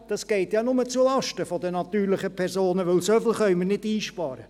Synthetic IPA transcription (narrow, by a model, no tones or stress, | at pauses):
d̥ɑsɡ̥ɛɪtjɑːnʊmət͡sulɑʃtəfɔdənɑtyːɾlɪχəpʰɛɾsoːnəʋœlsœfl̩ˠχœʏmənɪdiːʃpɑːɾə